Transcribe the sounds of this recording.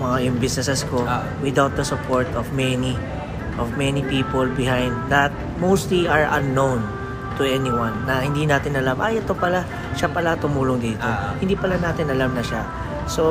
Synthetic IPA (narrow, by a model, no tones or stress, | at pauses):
mɐŋajʊmbɪsnɛsɛsko | wɪd̪awt̪̚d̪ɐsʊpʰoɹt̪ɔvmɛni | ʔɔvmɛnipiːpolbɪɦãjnd̪̚ːɐt̪̚ | mowst̪liʔaɹʔɐ̰nːõwn | t̪ʊʔɛniwɐ̃nːɐhɪnd̪inaːt̪ɪnɐlamʔajʔɛt̪o̞pɐla | ʃapɐlat̪ʊmuːlʊŋd̪iːt̪ohɪnd̪iːpɐlanaːt̪ɪnɐlamnɐʃa | so